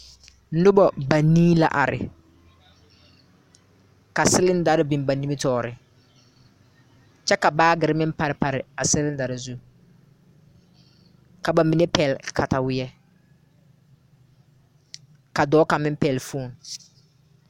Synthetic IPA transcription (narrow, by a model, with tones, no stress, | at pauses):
dʊ˦bɔ˨ba˨niː˦la̰˨ʔa̰˨ɾɪ̰˨ | ka˨sɪ˦lɪ˦n˦da˨ɾɪ˦bi˨mba˨ni˦mi˦tɔː˨ɾɪ˨ | t͡ʃɛ˦ka˨baː˦ɡɪ˨ɾɪ˦mɪ˦pa˨ɾɪ˨pa˨ɾɪ˨a˨sɪ˦lɪ˦nda˨ɾɪ˨zu˦ | ka˨ba˨mi˨ne˦pɛ˨lkʰa˨ta˨wɪ˦jɛ˦ | ka˨dɔː˨˦ka˨mɪ˦m˦pɛː˨lfuː˦˨n